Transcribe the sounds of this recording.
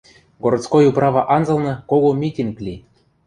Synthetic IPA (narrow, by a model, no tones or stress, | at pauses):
ɡoɾt̪t͡skojuprɑβɑʔɑnzɤ̆lˠnɤ̆koɣomʲitʲinklʲi